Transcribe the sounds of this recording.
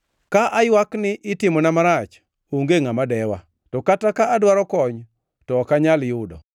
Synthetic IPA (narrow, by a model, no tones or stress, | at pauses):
kaʔajwaknɪʔɪtɪmɔnamaɾat͡ʃ | oŋɡeŋamadɛwa̰ | tɔkatakaːdwaɾɔkɔɲ | tɔkaɲaljʊdɔ̰